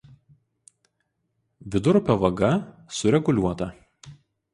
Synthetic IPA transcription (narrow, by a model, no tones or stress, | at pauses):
ʋʲɪd̪ʊɾpʲoːʋɐɡɐ | sʊɾʲɛɡʊlʲuɔt̪ɐ